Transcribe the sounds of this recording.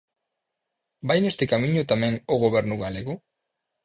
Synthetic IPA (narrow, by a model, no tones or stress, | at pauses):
bajnest̪ekamiɲut̪ameŋoɣoβe̞ɾnuɣaleɣu